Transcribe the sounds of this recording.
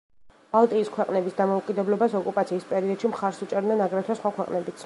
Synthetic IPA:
b̥alˠt̪ʼiːskʰwɛqʼnɛbisd̪amɔukʼid̪ɛblɔbasɔkʼupʼat̪sʰiːspʼɛɾiɔd̪ʃimχaɾsut͡ʃʼɛɾd̪nɛnaɡɾɛt̪ʰwɛsχwakʰwɛqʼnɛbit̪sʰ

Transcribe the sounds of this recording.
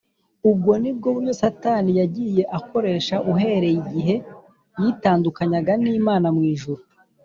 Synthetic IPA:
ub̚ɡo̞nib̚ɡoβuosatanijaɟije̞ʔako̞ɾe̞ːʃaʔuɦe̞ɾe̞iɟiɦe̞ | jitaːndukaɲaɡaniːmaːnamŋiːʒuɾu

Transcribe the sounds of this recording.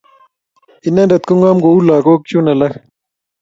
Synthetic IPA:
inadɐt̪̚koŋaːmɡoulaːɡoːk̚t͡ʃunɐlɐx

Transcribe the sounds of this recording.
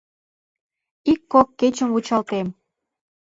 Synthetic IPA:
ikːokːet͡ɕəmvut͡ɕɑlt̪em

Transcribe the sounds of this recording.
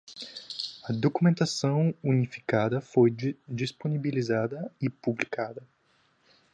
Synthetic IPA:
ɐd̪okumẽnt̪asɐ̃w̃unifi̥kad̪ɐfojd͡ʒisponibilizad̪ɐɪpublikad̪ɐ

